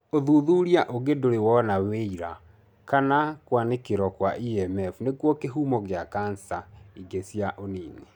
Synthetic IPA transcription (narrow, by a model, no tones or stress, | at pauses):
oðuðuɾiaʔoɡedoɾewɔnaweiɾa | kanakwanekeɾɔkwaʔiɛmɛfunekwɔkeɦuːmɔɣeakansaiɡesjaʔoniːne